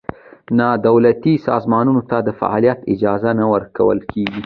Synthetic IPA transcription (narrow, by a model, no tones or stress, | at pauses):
nɑd̪awlat̪isɑ̰zmɑnunot̪ad̪əfa̰ʔɑ̰lijat̪ɪd͡ʒɑzanawəɾkawə̰lkʰeɡi